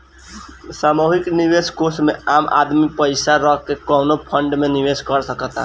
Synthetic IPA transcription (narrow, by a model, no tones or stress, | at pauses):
samoɦikniʋeskosmeamʔa̰d̪mipəɪsaɾəɦkekɔnopʰəɳɖmeniʋeskəɾsəkət̪a̰